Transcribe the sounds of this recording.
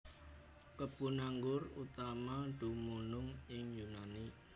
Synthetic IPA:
kəbunaŋɡʊrut̪amaɖ̥umunʊŋɪŋjunani

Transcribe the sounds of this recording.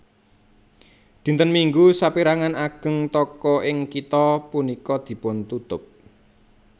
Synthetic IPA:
d̪̥i̤nt̪ənmiŋɡusapiɾaŋanaɡ̥ə̤ŋt̪ɔkɔʔɪŋkit̪ɔpunikɔd̪̥i̤pʊnt̪ut̪ʊp̚

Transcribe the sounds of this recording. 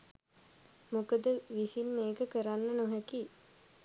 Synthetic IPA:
mukəd̪əʋisinmeːkəkəɾanːənoɦæki

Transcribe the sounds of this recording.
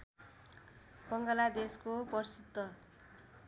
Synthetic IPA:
bʌŋɡʌlad̪eskopʌrsut̪ːʌ

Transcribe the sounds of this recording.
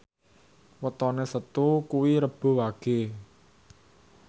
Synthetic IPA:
wət̪ɔnesət̪ukuwiɾəb̥o̤waɡ̥e̤

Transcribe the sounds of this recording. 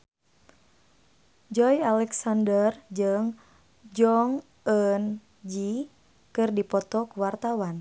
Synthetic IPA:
d͡ʒɔjalɛksandərd͡ʒɨŋ | d͡ʒɔŋ | ən | d͡ʒi | kɨrdipɔt̪ɔkuwart̪awan

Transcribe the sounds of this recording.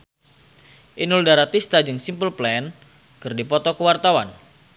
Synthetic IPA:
ʔinuldaɾat̪ist̪ad͡ʒɨŋsimpəlplɛn | kɨrdipɔt̪ɔkəwart̪awan

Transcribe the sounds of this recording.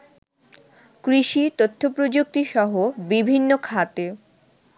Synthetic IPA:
kɾiʃit̪ot̪ʰːopɾod͡ʑok̚t̪iʃɔɦobibʱinːokʰat̪e

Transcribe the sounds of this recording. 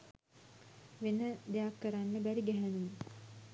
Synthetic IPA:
ʋenəd̪ejakːəɾanːəbæɾiɡæɦænum

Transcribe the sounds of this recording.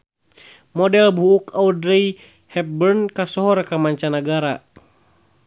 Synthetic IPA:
mɔdɛlbuːkawdɾɛi | hɛp̚bɛrnkasɔɦɔrkamaɲt͡ʃanaɡaɾa

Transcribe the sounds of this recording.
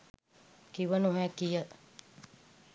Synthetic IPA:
kiʋənuɦɛkijə

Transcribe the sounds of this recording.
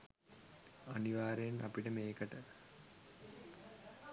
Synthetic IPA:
ɐniʋaːɾejnʔɐ̰piʈəmeːkəʈə

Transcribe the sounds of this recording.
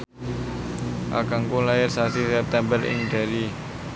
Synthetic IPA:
ʔa̰kaŋkulaɪrsasisɛp̚t̪ɛmbərɪ̰ŋd̥a̤ɾi

